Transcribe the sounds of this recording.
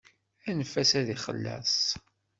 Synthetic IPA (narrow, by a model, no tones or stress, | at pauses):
ænəfæsæðiχə̰lːæ̰s